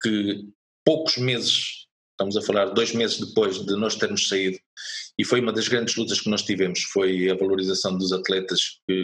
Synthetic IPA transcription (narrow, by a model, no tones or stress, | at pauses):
kɨ | poku̥ʒmezɨʃ | ʃt̪ɐmuzɐfɐlˠaɾd̪ojʒmezɨʒd̪ɨpojʒðɨnɔʃt̪eɾmʊʃsɐiðuifojumɐðɐʒɣɾɐ̃nd̪ɨʒlˠut̪ɐʃkɨnɔʃt̪ivɛmʊʃfojɐvɐlˠuɾizɐsɐ̃w̃d̪uzɐt̪lˠɛt̪ɐʃk̚ɨ